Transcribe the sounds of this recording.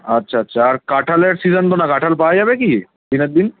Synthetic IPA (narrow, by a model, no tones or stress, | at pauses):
ɐtːʃʰaːtːɕʰaːɾkaʈʰəleʈsizənt̪onakaːʈʰəlpad͡ʒabeki | d̪inəd̪in